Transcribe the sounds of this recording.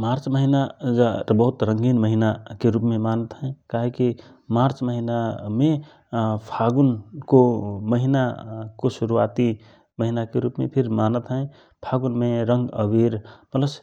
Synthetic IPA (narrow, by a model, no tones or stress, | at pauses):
maɾt͡ʃməɦinad͡ʒabəɦut̪ɾə̃ŋɡinməɦinakeɾupmemanət̪ɦə̃kaɦiki | maɾt͡ʃməɦiname | pʰaɡunkoməɦinakosuɾua̰t̪i | məɦinakeɾupmḛpʰiɾmanət̪ɦə̃ | pʰaɡunmeɾəŋɡəbiɾmət̪ləbs